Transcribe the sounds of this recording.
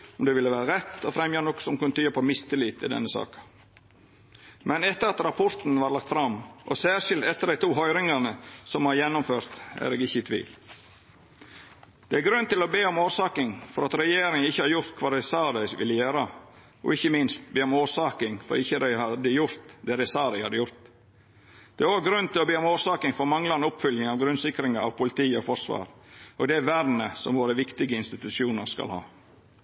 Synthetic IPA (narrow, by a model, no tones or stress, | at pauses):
ɔmd̪ɛʋɪlːəʋæːɾəɾɛt̪ːɔfɾɛmjɑnɔkːsɔmkʰʉnt̪ʰyːɑpʰɔmɪst̪əliːt̪ːɪd̪ɛ̰nːəsɑ̰ːkɑ | mɛnɛt̪ːəɾɑt̪ɾɑpʰɔɾt̪nʋɑːɾlɑk̚t̪fɾɑmʔɔ̰sæːʂɪlt̪ɛt̪ːəd̪æɪt̪ʰuːɦœʏɾɪŋɑnəsɔmhɑɾjɛnːʊmføːɾt̪æ̰ɾeːɡɪçːəɪt̪ʰʋḭːl | d̪̥ɛæɾɡɾʉnt̪ɪlɔbeːɔmoːɾʂɑːkɪŋfɔɾɑt̪ɾɛjeːɾɪŋɪçːəhɑːɾjʊɾt̪kʰʋɑːd̪æɪsɑːd̪æɪsʋɪləjæːɾə | ɔ̰ɪçːəmɪnst̪̚beːɔmoːʂɑːkɪŋfɔ̰ɾɪçːəd̪æɪhɑd̪əjʊɾt̪d̪ɛːd̪ɛɪsɑːd̪æɪhɑd̪əjʊɾt̪ | d̪̥ɛæɾoːɡɾʉnt̪ɪlɔbeːɔmoːʂɑːkɪŋfɔɾmɑŋlɑɾɛnʊpfʏljɪŋɑʋɡɾʉnsɪkɾɪŋəɑ̰ʋpʰʊlɪt̪ʰiːɔfɔɾʂʋɑ̰ːɾʔoɡd̪ɛʋæɾnəsɔmʋoːɾəʋɪkt̪ɪɡəɪnst̪ɪt̪ʉsjuːnəɾskɑ̰lhɑ̰ː